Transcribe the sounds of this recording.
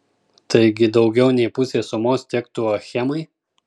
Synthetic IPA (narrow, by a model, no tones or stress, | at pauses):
t̪ɐɪɡʲɪd̪ɒʊɡʲɛʊnʲɛɪpʊsʲeːsʊmoːst̪ʲɛkt̪uɔxʲɛmɐɪ